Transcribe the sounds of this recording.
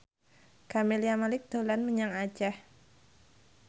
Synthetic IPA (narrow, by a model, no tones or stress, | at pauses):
kameliamalɪk̚d̪̥o̤lanməɲaŋḁd͡ʒah